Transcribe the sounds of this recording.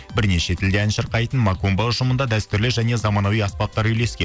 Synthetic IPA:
bɪɾne̞ʃe̞t̪ʰɪld̪e̞ænʃəɾqɑjt̪ənmɑkombɑlˠʒʊmənd̪ɑd̪æst̪ʏɾlɪʒæne̞zɑmɑnɑwijɑspɑt̪̚t̪ːɑɾʏjle̞skʲen

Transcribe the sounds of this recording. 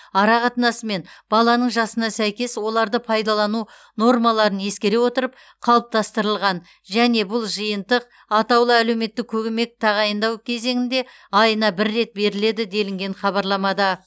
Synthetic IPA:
ɑɾɑqɑt̪ənɑsəme̞nb̥ɑlˠɑnəɴʒɑsənɑsæjkʲe̞swo̞lˠɑɾd̪əpʰɑjd̪ɑlˠɑnu | no̞rmɑlˠɑɾənje̞skʲe̞ɾe̞wo̞t̪əɾəp̚ | qʰɑlˠəp̚t̪ɑst̪əɾəlˠʁɑn | ʒæne̞bʊlˠʒəjənt̪əq̚ | ɑt̪ɑwlˠəæle̞wme̞t̪ːɪk̚ʲʰɵɡʲɪme̞k̚t̪ʰɑʁɑjənd̪ɑwkʲʰe̞ze̞ŋɪnd̪e̞ | ɑjənɑbɪɾːe̞t̪̚be̞ɾɪle̞d̪ɪd̪e̞lɪŋɡʲe̞ɴχɑβɑɾlˠɑmɑd̪ɑ

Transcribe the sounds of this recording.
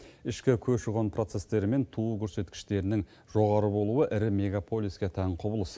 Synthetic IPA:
ɪʃkʲɪkʲʰɵʃʊʁonpʰro̞t̪se̞st̪e̞ɾɪme̞nt̪ʰukʲʰɵɾse̞t̪kʲɪ̥ʃt̪e̞ɾɪnɪŋ | ʒ̥o̞ʁɑɾəbo̞lˠuəʔɪɾɪme̞ɡapʰo̞lʲijskʲet̪ʰæɴqʰʊbəlˠəs

